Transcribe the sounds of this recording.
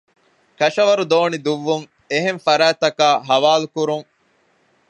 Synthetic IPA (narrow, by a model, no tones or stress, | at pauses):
kɐʃɐʋɐɾud̪oːnid̪uʋːuŋ | eɦeɱfɐɾæːt̪ɐkaːɦɐʋaːlukuɾuŋ